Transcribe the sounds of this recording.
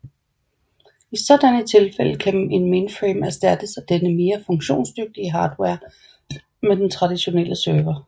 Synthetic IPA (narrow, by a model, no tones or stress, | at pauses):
isɒ̽d̥ænət͡sʰe̝lfel̰əkʰæe̝nmenfʁimæɐsd̥æd̥əsæd̥enəme̝ːɐfɔ̽ŋɕo̝̰ːnsd̥øɡ̥̚d̥iəɦɑ̈ːd̥weɐ̰ | med̥ent͡sʰʁɑ̈d̥iɕo̝nel̰əsøːʋɐ